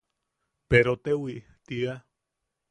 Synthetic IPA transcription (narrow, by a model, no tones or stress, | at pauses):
peɾot̪ewi | t̪ia